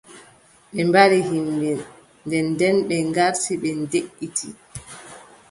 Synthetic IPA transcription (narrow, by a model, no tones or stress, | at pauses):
ɓɛmbaɾiɦimbɛ | ndɛndɛnɓɛŋɡaɾtiɓɛndeʔːitʰḭ